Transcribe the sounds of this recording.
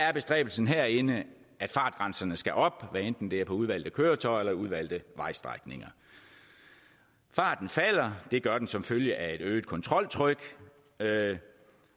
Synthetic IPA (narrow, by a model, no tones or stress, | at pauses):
æɐb̥e̝sd̥ʁɛ̰ːb̥l̩sn̩ɦæɐ̰e̝nə | ʔæd̥fɑ̈ːd̥ɡ̥ʁɑ̈nsɐnəsɡ̥æʔɒ̽b̥ʋæend̥n̩d̥e̝æɐpʰɒ̽uð̞ˠʋæl̰d̥ð̩əkʰøːɐt͡sʰɒ̽ɪelɐuð̞ˠʋæl̰d̥ðəʋɑ̈ɪ̰sd̥ʁɑ̰ɡ̥ne̝ŋɐ | fɑ̈ːd̥n̩fæl̰ɐd̥e̝ɡ̥ɶɐd̥ensɒ̽mføljəʔæe̝d̥øːd̥̚kʰɒ̽nt͡sʰʁɒ̽l̰t͡sʰʁœɡ̥